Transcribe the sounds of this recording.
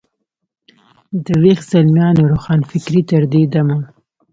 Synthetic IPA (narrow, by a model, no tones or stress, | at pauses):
d̪əɾexz̥almjɑːnoɾoxɑːnfɪkɾit̪əɾd̪ed̪amun